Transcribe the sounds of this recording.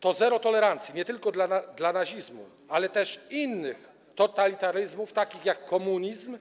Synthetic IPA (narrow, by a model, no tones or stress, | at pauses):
t̪ɔzɛɾɔt̪ɔlɛɾant̪sʲjiɲɛt̪ɘlkɔd̪laad̪lanaɕizmṵ | alɛt̪ɛʂinːɘx | t̪ɔt̪alʲit̪aɾɘzmuft̪akʲixjakːɔmuɲizm